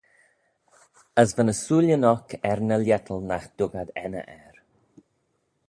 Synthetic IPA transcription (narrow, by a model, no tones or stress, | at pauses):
əsvənəsuːljənɔkʰɛɾnəljɛt̪ʰəlˠnaxd̪̥ʊɡad̪ɛnə̰ʔɛɾ